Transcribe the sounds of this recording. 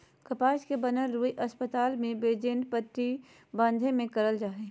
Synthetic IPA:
kɐpaːʃkebənəlɾuːiʔɐspət̪aːlmẽbeːd͡ʒeɳɖpəʈ̪ɾi | bãːnd̪ʱẽmẽkəɾəld͡ʒaːɦeː

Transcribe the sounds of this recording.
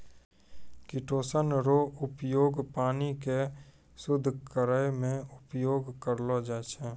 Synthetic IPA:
kɪʈʰoːsənɾoʊpjoːɡpaːnike | sʊd̪ʱːkəɾəjmẽʊpjoːɡkəɾlod͡ʒaːt͡ʃʰɛ

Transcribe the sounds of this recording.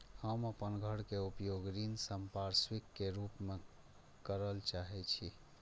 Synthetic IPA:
həməpənɡʱəɽkeupjoɡɾinsəmpaɾswikːeɾupme | kəɾəlt͡ʃaɦɛt͡ʃʰi

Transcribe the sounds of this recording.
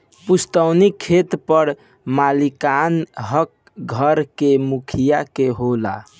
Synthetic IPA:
pust̪əwnikʰːet̪pəɾ | malikanɦək̚ | ɡʱəɾkemukʰijakeɦola̰

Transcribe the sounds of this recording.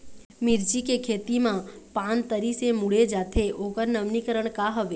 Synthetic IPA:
mɪɾd͡ʒikekʰeːt̪imãpant̪əɾisemʊɽed͡ʒaːt̪ʰeʔokəɾnəʋnikəɾəɳ̃kaɦɔʋe

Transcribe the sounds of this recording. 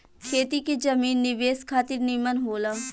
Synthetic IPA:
kʰeːt̪ikid͡ʒɐmiːnːɪʋeːskʰaːt̪ɪɾnimənɦoːlaː

